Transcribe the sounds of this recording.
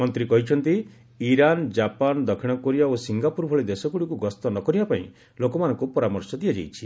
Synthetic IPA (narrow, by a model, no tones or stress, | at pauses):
mɔnt̪ɾikɔɦit͡ʃʰɔnt̪i | iɾand͡ʒapand̪ɔkʰiɽ̃ɔkoɾijaosiŋɡapuɾbʱɔɭed̪esɔkuɽikuɡɔst̪ɔnɔkɔɾibapaḭ̃ | lokɔmanɔ̃ŋkupɔɾamɔɾsɔd̪ijad͡ʒejt͡ʃʰi